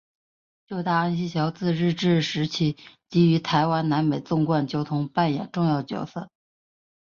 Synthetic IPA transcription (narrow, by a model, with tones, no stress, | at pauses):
t͡ɕjo˥˧ʊt̪a˥˩a˥nɕi˥ɕjɑ˧˥ʊt͡sɹ̩˥˧ɻɻ̩˥˧ʈ͡ʂɻ̩˥˩ʂɻ̩˧˥t͡ɕʰi˧˥˩t͡ɕi˧˥y˧˥t̪ʰa˧˥ɪwa˧˥nna˧˥nme˨˩ɪt͡sʊ˥˧ŋkwa˥˩nt͡ɕjo˧˥ʊt̪ʰʊ˧˥ŋpa˥˩njɛ̰˨˩nʈ͡ʂʊ˥˧ŋjɑ˥˩ʊt͡ɕjɑ̰˨˩ʊsɤ˥˩